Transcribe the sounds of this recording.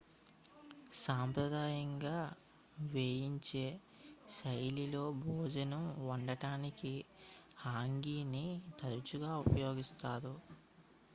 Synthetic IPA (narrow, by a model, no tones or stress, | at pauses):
saːmpɾɐd̪aːjɐŋɡaː | ʋeːjiɲt͡ʃe̞ː | sɐjlilo̞ːbʱoːd͡ʒɐnɐmʋɐɳɖɐʈaːniki | haːŋɡiːnit̪ɐɾut͡ʃuɡaːupɐjo̞ːɡist̪aːd̪u